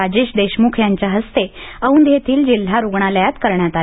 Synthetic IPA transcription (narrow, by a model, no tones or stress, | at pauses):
ad͡ʑeɕd̪eɕmukʰjaɲt͡ɕjaɦəst̪eəʋuːnd̪ʱjet̪ʰiːld͡ʑil̤ːaɾoɡɳ̃aljat̪kəɾɳjat̪a